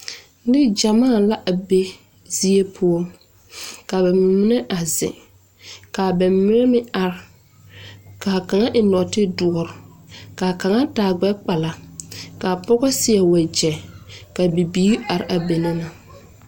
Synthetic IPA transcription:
nɪ˦d͡ʒa˨maː˦˨la˦ʔa˨be˦ | zi˦e˦pʰʊ˦ɔ˦l | ka˨bɛ˨m˨mːɪ˦nɛ˦ʔa˨zɪ̰˨ | ka˨bɛ˨mmɪ˦nɛ˦mɪ˦a˨ɾ | ka˨ka˨ŋa˦ʔɪ˨nɔ˨tɪ˦dʊ˨ɔ˨ɾka˨ka˨ŋa˦taː˨ɡ͡bɛ˦k͡pa˨la˨ka˨pɔ˦ɣɔ˦sɪ˦ɛ˨wa˨d͡ʒɛ˨ka˨bi˨biː˦ʔa˨ɾɪ˨ʔa˨be˨nɪ˦na˨

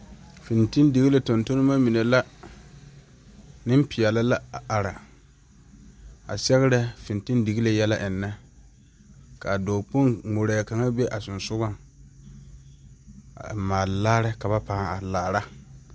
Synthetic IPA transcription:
fi˨nti˦ndi˨ɣi˦le˨tɔ˨nto˦no˦ma˦mi˨ne˨la˦ | nɪ˦m˦pɪ˨jɛ˨la˦la˦˨a˨ɾa˨ | a̰˨sɛ˦ɣɪ˦ɾɛ˦fɪ˨nti˦ndi˨ɣi˦le˨jɛ˦la˦ʔɪ˨nːɛ˦ | ka˨doː˨po˦nŋ͡mo˨ɾɛ˨ka˨ŋa˦be˦ʔa˨sʊ˨nsʊ˦ɡa˦ŋ˨ | maː˨laː˦ɾɪ˦ka˨βa˦paː˨˦˨a˨laː˨ɾa˦

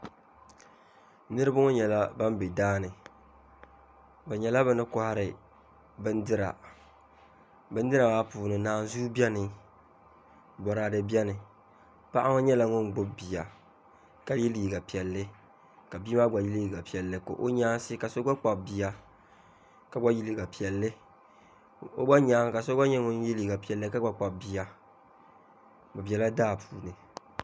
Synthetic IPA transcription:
nɨ˦ɾɨ˦ba˦ŋo˦ɲɛ˨la˦ba˦m˦be˨daː˦nɨ˨ | bɛ˨ɲɛ˨la˦bɨ˨nɨ˦kʊ˦ha˦ɾɪ˨ | bɨ˦ndɨ˦ɾa̰˨ | bɨ˦ndɨ˦ɾa˨wa˦puː˨nɨ˨naː˨n˦zuː˦bi˦ɛ˦nɨ˨ | bɔ˨ɾa˨dɨ˨bi˦ɛ˦nɨ˨ | pa˦ʔa˦ŋɔ˦ɲɛ˦la˨ŋʊ˦ŋ˨ɡ͡bʊ˦bbi˨a˨ | ka˦ji˦liː˨ɡa˨pi˨ɛ˨lːɪ˦ | ka˨bi˦ma˦ɡ͡ba˨ji˦li˦˨ɡa˨pi˨ɛ˨lːɨ˦ko̰˨ʔo˦ɲaː˦sɪ˦ka˨so˦ɡ͡ba˦k͡pa˨bi˨a˨ | ka˨ɡ͡ba˦ji˦li˦ɡa˨pi˨ɛ˨lːɨ˦ | o˦ɡ͡ba˦ɲaː˨˦ŋ˦ka˨so˦ɡa˦ɲɛ˦ŋʊ˦n˦i˦liː˨ɡa˨pi˨ɛ˨lːɨ˦ka˦ɡ͡ba˦k͡pa˨bi˨ja˨ | ɡ͡ba˨bi˨a˨la˦daː˦˨pʰuː˨nɨ˨

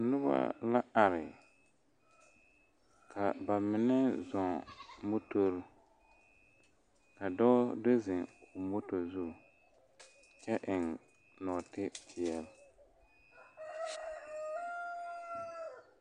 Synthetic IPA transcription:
nʊ˦ba̰˦la˦a˨ɾɪ˨ | kʰa˨ba˨mɪ˨nɛ˦zɔ˨ŋmo˦to˦ɾ | ka˨dɔ˦de˦zɪ˨ŋʊ˨mo˦to˨zu˦˨ | t͡ʃɛ˦ʔɪ˨ŋ | nɔ˨tɪ˦pʰɪ˨ɛ˨l

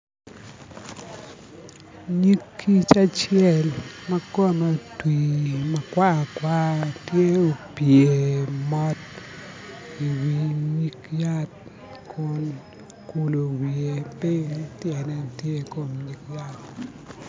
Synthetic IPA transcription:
ɲi˦kʰːi˦t͡ʃa˦t͡ʃɪɛ˦˨lmɐ˦kɔ˦mo˨twi˨ma˨kwa˦˨kwa˦tje˦o˨pje˨mɔ˦t | i˨wi˨ɲi˦kja˦t̚ | kʰʊ˦n | ku˨lo˨wi˨e˨pɪ˦ŋtjɛ˨nɛ˨tje˦ko˨mɲi˨kja˦t̚

